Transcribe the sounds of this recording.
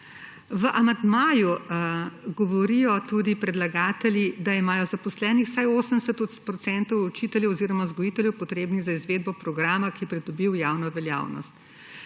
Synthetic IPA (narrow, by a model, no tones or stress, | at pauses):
ʋəʔamand̪maːju | ɡɔʋɔɾijɔt̪ud̪ipɾɛd̪laɡaːt̪ɛljid̪aimaːjɔzapɔslɛːnixsajoːsənd̪ɛsɛt̪ɔpɾɔt̪sɛnt̪ɔwɔt͡ʃit̪ɛljɛwɔziːɾɔmazɡɔjit̪ɛljɛwpɔt̪ɾeːbniɣzaizʋeːd̪̚bɔpɾɔɡɾaːmakipɾid̪ɔbiwjaːwnɔʋɛlja̰ːwnɔ̰st̪